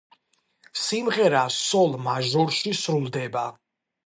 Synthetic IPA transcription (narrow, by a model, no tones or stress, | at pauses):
simʁɛɾassɔlˠmaʒɔɾʃisɾulˠd̪ɛba